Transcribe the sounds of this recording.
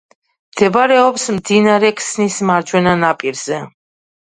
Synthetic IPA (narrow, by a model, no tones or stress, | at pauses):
md̪̥ɛbaɾɛɔpsmd̪inaɾɛkʰʼsnismaɾd͡ʒwɛnanapʼiɾz̥ɛ